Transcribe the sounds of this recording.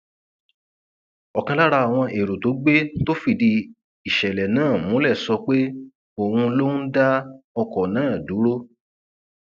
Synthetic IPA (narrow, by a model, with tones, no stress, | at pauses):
ɔ˨kã˧la˦ɾa˧a˨w̃ɔ̃˧ʔe˨ɾo˨to˨˦ɡ͡be˦to˦fi˦˨di˧ | i˨ʃɛ˨lɛ˨nãː˦˨mũ˨˦lɛ˦˨sɔ˧k͡pe˦ | o˨wũ˧lo˦n̩˦da˦ɔ˧kɔ˨nãː˨˦˨du˨˦ɾo˦